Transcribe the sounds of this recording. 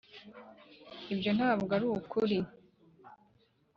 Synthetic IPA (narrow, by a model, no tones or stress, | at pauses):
ibjo̞n̥haːbɡaɾukuɾi